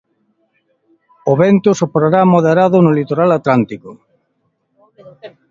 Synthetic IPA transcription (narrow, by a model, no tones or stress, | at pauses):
oβent̪ʊsopɾoɾamoðeɾaðʊnʊlit̪oɾalat̪lant̪ikʊ